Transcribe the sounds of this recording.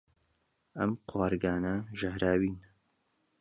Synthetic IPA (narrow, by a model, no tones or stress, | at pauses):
ɐ̰mqʰwaːɾɡaːnɐʒɐhɾaːwiːn